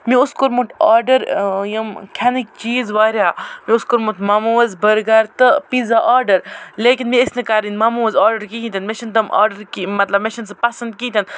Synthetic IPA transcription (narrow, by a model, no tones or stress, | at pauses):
miʊskoɾmut̪aːɾɖɐɾjɐmkʰanik̚t͡ʃiːzʋaːɾʲaːmiuskoɾmut̪mɐmuʋɐzbəɾɡaɾt̪ɨpizaʔaːɾɖɐɾleːkinmiɐsnɐkaːɾinmɐmuʋɐzaːɾɖɐɾkiɦĩt̪ɐnmeʃɐnt̪ɐmʔa̰ːɾɖɐɾkimɐt̪lɐbmeʃɐnsɨpɐsɐnd̪̚kiːt̪ɐn